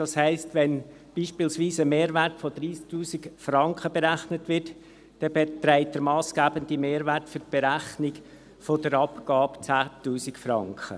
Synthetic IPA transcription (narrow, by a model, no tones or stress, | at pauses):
d̥ɑshæɪstʋɛn | b̥iːʃpiːlsʋiːsəmeːɾvætfod̥ɾiːsk̚tuːsikfrɑŋkχəbeɾæχnətʋɪt | d̥ɛbetɾæɪtdəɾmɑːsɡ̥æːbəndimeːɾvæɾtfʏɾt̚b̥eɾæχnɪɡ | fodəɾɑpɡ̥ɑːpt͡sæːtuːsikfrɑ̰ŋkχə̰